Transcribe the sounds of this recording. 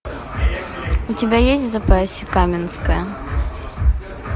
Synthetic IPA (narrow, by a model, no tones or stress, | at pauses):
utʲɪbʲajesʲtʲvzɐpasʲɛkamʲɛnskɐjɐ